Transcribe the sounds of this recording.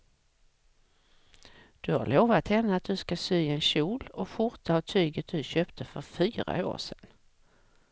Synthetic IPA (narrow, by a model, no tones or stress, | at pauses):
d̪̥ɵha̰ɭoːvat̪hɛnːəat̪̚d̪ɵskasyːɛnɕuːlɔɧʊɾt̪aavt̪ʰyːɡət̪̚d̪ɵɕøːpt̪ʰəfœɾfyːɾa̰o̰ːʂɛ̰n